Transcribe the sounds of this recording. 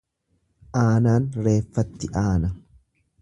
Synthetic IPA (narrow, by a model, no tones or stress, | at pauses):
ʔaːnaːnɾe̞ːfːɐt̪ːɪʔaːnɐ